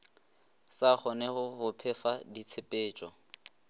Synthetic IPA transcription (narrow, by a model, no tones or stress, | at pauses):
saχɔnɛɣʊχʊpʰɛfadit͡sʰepʼeːt͡ʃʼɔ